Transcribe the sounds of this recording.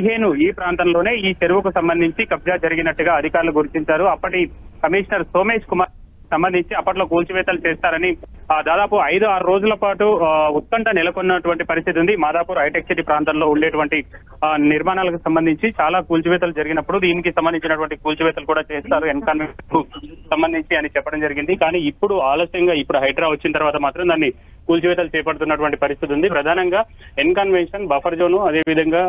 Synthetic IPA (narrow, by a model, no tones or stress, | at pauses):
iɦe̞ːnuiːpɾaːnt̪ɐmlo̞ːne̞ːiːt͡ʃeɾuʋɐkusɐmbɐnd̪iɲt͡ʃikɐb̚d͡ʒaːd͡ʒɐɾiɡinɐʈːuɡaːɐd̪ʱikaːɾɐluɡuɾut͡ʃ̪iɲt͡ʃaːɾuɐpːɐʈikɐmiːʂɐnɐɾso̞ːme̞ːʂkumaːɾ | sɐmbɐnd̪ʱiɲt͡ʃiɐpːɐʈlo̞ːkuːlt͡ʃuʋɛːt̪ɐlut͡ʃeːst̪aːɾɐnid̪aːd̪aːpuɐjd̪uaːɾuɾo̞ːd͡ʒulɐpaːʈuut̪̚kɐɳʈɐnilɐkonːɐʈuʋɐɳʈipɐɾis̬t̪ʰit̪und̪imaːd̪aːpuːɾuɐjʈek̚siʈipɾaːnt̪ɐmlo̞ːuɳɖeːʈuʋɐɳʈi | niɾmaːnaːlɐkusɐmbɐnd̪ʱiɲt͡ʃit͡ʃaːlaːkuːlt͡ʃuʋɛːt̪ɐlud͡ʒɐɾiɡinɐpːuɽud̪iːnikisɐmbɐnd̪iɲt͡ʃinɐʈuʋɐɳʈikuːlt͡ʃiʋɛːt̪ɐlukuːɽaːt͡ʃeːst̪aːɾuenkɐnʋenʂɐnkusɐmbɐnd̪ʱiɲt͡ʃiɐnit͡ʃɛpːɐɽɐmd͡ʒɐɾiɡind̪ikaːniːipːuɽuaːlɐsjɐŋɡaːipːuɽuɦɐjʈɾaːʋɐt͡ʃːinɐt̪ɐɾʋaːt̪ɐmaːt̪ɾɐmd̪aːnːi | kuːlt͡ʃuʋɛːt̪̬ɐlut͡ʃɛːpɐɽut̪̬unːɐʈuʋɐɳʈipɐɾist̪ʰit̪̬und̪ipɾɐd̪ʱaːnɐŋɡaː | enkɐnʋenʂɐnbɐpʰɐɾd͡ʒoːnuɐd̪e̞ːʋid̪ʱɐŋɡaː